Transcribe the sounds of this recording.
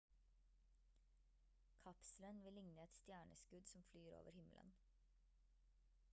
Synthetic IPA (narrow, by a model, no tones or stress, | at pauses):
kʰɑpslənʋɪlɪŋnəɛt̪st̪jæːɳəskʉd̪sɔmflyːɾo̰ːʋəɾhɪmlʔə̰n